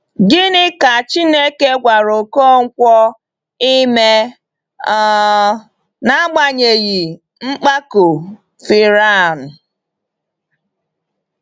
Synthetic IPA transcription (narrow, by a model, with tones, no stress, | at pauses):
ɡɪ˦nɪ˦ka˨t͡ʃi˦ne˦ke˦ɡʷa˨ɾo˨ko˦ŋ̩˦kʷɔ˦ | i˦me˦ | na˦ɡ͡ba˦ɲe˨ɣi˨ | ŋ͡m̩˦k͡pa˦ko˨ | fi˨ɾa˦˨n̩˨